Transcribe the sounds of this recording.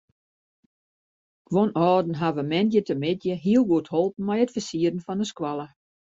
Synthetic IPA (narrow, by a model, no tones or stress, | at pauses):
ʋonɔːdn̩ɦaʋəmɛndjətəmɪtjəɦiəlˠɡuəthɔlˠpn̩mɛjətfəsiəɾən̩fɔnəskwalˠə